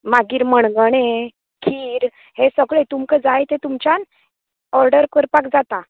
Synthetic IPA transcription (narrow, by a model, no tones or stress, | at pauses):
maɡiːɾməɳɡəɽ̃e | kʰiːɾ | hesəɡɭet̪umkʰəd͡zajt̪et̪umt͡ɕan | ɔɾɖəɾkəɾpakd͡zat̪a